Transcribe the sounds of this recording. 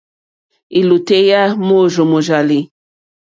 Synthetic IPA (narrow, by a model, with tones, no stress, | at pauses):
i˨lu˨te˦ja˦mo˦˨ʒo˨mo˨ʒa˨li˨